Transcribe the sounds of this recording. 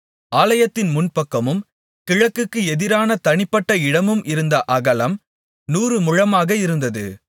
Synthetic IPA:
ʔaːlɐjɐt̪ːɪnmʊnpɐkːɐmɯm | kɪɻɐkːɯkːɯɛðɪɾaːnɐt̪ɐɳɪpːɐʈːɐɪɽɐmɯmʔɪɾɯnd̪ɐʔɐɣɐlɐm | nuːrɯmʊɻɐmaːɣɐɪɾɯnd̪ɐðɯ̰

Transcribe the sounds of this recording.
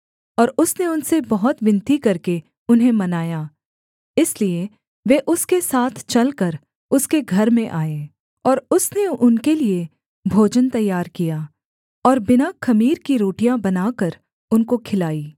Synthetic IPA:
ɔːɾʊsneʊnsebɐɦʊt̪ʋɪ̃nt̪ikɐɾke | ʊnɦẽmɐnaːjaː | ɪslie | ʋeʔʊskesaːt̪ʰt͡ʃɐlkəɾ | ʊskeɡʱɐɾmẽʔaːeː | ɔːɾʊsneʊnkelie | bʱoːd͡ʒənt̪ɐjːaːɾkijaː | ɔːɾbɪnakʰɐmiːɾkiɾoːʈijãbɐnaːkəɾ | ʊnkokʰɪlaːiː

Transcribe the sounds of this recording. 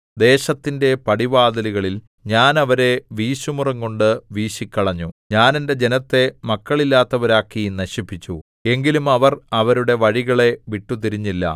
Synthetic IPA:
d̪e̞ːɕɐt̪ːinde̞pɐɽibaːd̪ɐliɣɐɭil | ɲaːnɐʋɐɾe̞ʋiːɕumurɐŋko̞ɳɖɨʋiːɕikʲːɐɭɐɲːuɲaːnende̞d͡ʑe̞nɐt̪ːe̞mɐkːɐɭilːaːt̪ːɐʋɐɾaːkːinɐɕipːit͡ɕːu | e̞ŋɡilumɐʋɐrɐʋɐɾuɽe̞ʋɐɻiɣɐɭe̞ʋiʈːut̪̬iɾiɲːilːɐ̰

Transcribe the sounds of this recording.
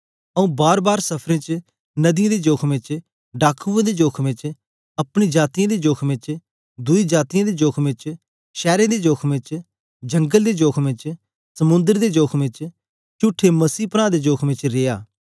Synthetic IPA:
əũːbaːɾbaːɾsɐpʰɾẽːt͡ʃ | nɐd̪ɪjãd̪eːd͡ʒoːkʰmɪ̃t͡ʃ | ɖaːkʰuãd̪ed͡ʒoːkʰʋɪ̃t͡ʃ | ɐpɽ̃id͡ʒaːt̪ijãːd̪eːd͡ʒoːkʰmɪ̃t͡ʃ | d̪ʊid͡ʒaːt̪ijãːd̪eːd͡ʒoːkʰmɪ̃t͡ʃ | ʃɛːɾẽːd̪eːd͡ʒoːkʰmɪ̃t͡ʃ | d͡ʒə̃ŋɡəld̪eːd͡ʒoːkʰmɪ̃t͡ʃ | sɐmʊ̃nd̪əɾd̪eːd͡ʒoːkʰmɪ̃t͡ʃ | t͡ʃʊʈʰːeməsiːpəɾaːd̪eːd͡ʒoːkʰmɪ̃t͡ʃɾɪːja̰ː

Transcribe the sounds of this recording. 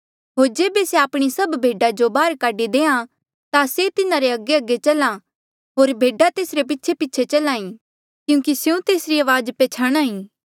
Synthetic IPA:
ɦoːɾd͡ʒeːbeseaːpɽ̃isɐbbʱeːɖad͡ʒobaːɾkaːɖid̪eːã | t̪aset̪ɪnãɾeɐɡeɐɡːet͡ʃɐlã | ɦoːɾbʱeːɖat̪eːsɾep̬ɪtːʃʰepɪtːʃʰet͡ʃɐlãːĩ | kjũːkisjũt̪eːsɾiaːʋaːd͡ʒpet͡ʃʰaɽ̃ãːĩː

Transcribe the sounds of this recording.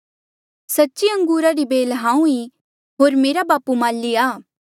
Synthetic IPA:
sɐtːʃiɐ̃ŋɡuːɾaɾibeːlɦãːũi | ɦoːɾmeːɾabaːpumaːlːiaː

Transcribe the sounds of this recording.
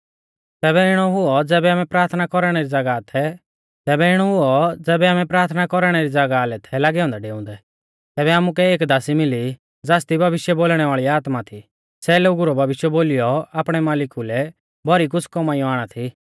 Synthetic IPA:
t̪ɛːbɛɪɽ̃ɔɦʊɔd͡zɛːbɛaːmɛ̃pɾaːɾt̪ʰnakɔɾɽ̃ɛɾid͡zɐɡat̪ʰɛ | t̪ɛːbɛɪɽ̃ɔɦʊɔd͡zɛːbɛaːmɛ̃pɾaːɾt̪ʰnakɔɾɽ̃ɛɾid͡zɐɡalɛt̪ʰɛlaːɡɛɔ̃ːnd̪aɖeːʊ̃nd̪ɛ | t̪ɛːβɛaːmuk̬ɛeːkd̪aːsimɪli | d͡zaːst̪ibʱɐʋɪʃjɛboːlɽ̃ɛʋaːɭiaːt̪mat̪ʰi | sɛloːɡuɾɔbʱɐʋɪʃjɛboːlɪjɔaːpɽ̃ɛmaːlɪkulɛ | bʱɔɾik̬ʊt͡sʰkɔmaːiɔ̃aːɽ̃at̪ʰi

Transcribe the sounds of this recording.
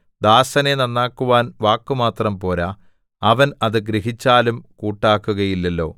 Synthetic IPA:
d̪aːsɐnenɐnːaːkːuʋaːnʋaːkːumaːt̪rɐmpo̞ːla | ɐʋɐnɐðɨɡɾiɦit͡ɕːaːlumkuːʈːaːkːuɣɐjilːɐlːo̞̰ː

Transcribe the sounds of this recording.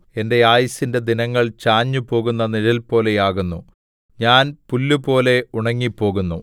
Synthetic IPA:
e̞nde̞jaːjɐsinde̞d̪inɐŋːɐɭt͡ɕaːɲːupo̞ːɣunːɐniɻɐlpo̞ːle̞jaːɣunːu | ɲaːnpulːupo̞ːle̞uɳɐŋːipːo̞ːɣunːu

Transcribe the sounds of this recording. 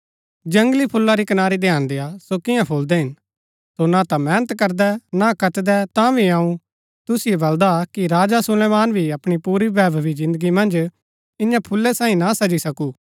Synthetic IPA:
d͡ʒɐ̃ŋɡlipʰʊlːaɾikɐnaːɾid̪ejãːnd̪eːasokɪ̃jãpʰoːld̪ɛɦɪn | sonat̪ãmɛːnət̪kɐɾd̪ɛnakɐt̪d̪ɛt̪ãbʱiaũ | t̪ʊsijebɐld̪akiɾaːd͡ʒasʊlɛːmaːnbʱiɐpɽ̃ipuːɾibɛːbbizɪ̃nd̪əɡimɐ̃nd͡ʒ | ɪ̃ɲãpʰʊlːɛsãːĩnasɐd͡ʒisɐkuː

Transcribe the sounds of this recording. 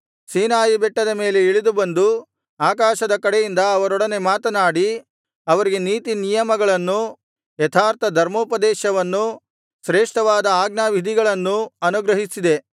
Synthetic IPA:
siːnaːjibɛʈːɐd̪ɐme̞ːle̞iɭid̪ubɐnd̪u | aːkaːʃɐd̪ɐkɐɽejind̪ɐːʋɐɾɔɽɐne̞maːt̪ɐnaːɽi | ɐʋɐɾiɡe̞niːt̪inijɐmɐɡɐɭɐnːu | jɛt̪ʰaːɾt̪ʰɐd̪ʱɐɾmoːpɐd̪ɛːʃɐʋɐnːu | sɾeːʂʈɐʋaːd̪ɐaːɡnaːʋid̪ʱiɡɐɭɐnːuɐnuɡɾɐɦisid̪e̞

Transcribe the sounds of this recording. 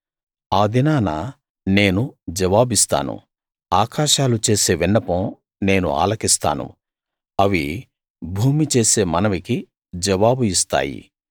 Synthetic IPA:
aːd̪inaːna | ne̞ːnud͡ʒɐʋaːbist̪a̰ːnṵ | aːkaːʃaːlut͡ʃe̞ːse̞ːʋinːɐpɐm | ne̞ːnṵa̰ːlɐkist̪a̰ːnṵ | ɐʋi | bʱuːmit͡ʃe̞ːse̞ːmɐnɐʋiki | d͡ʒɐʋaːbuist̪a̰ːjḭ

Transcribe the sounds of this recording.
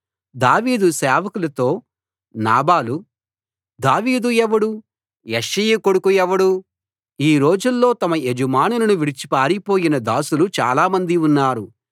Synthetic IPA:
d̪aːʋiːd̪usɛːʋɐkulɐt̪oː | naːbaːlu | d̪aːʋiːd̪uɛʋɐɽu | jeʂijukoɽukujɛʋɐɽu | iːɾo̞ːd͡ʒulːo̞ːt̪ɐmɐed͡ʒumaːnunɐnuʋiɽit͡ʃi̥paːɾipo̞ːjinɐd̪aːsulut͡ʃa̰ːlaːmɐnd̪iunːaːɾu

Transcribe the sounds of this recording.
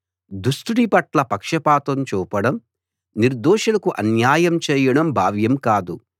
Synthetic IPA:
d̪usʈuɽipɐʈlɐpɐkʂɐpaːt̪ɐmt͡ʃuːpɐɽɐm | niɾd̪ɔːʂɐlɐkuʔɐnjaːjɐmt͡ʃɛːjɐɽɐmbʱaːʋjɐmkaːd̪u

